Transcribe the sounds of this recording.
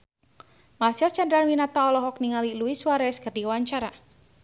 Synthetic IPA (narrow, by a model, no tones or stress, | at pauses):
marsiɔlt͡ʃand̪ɾanwinat̪aɔlɔɦɔk̚niŋaliluiswaɾɛskərdiwaɲt͡ʃaɾa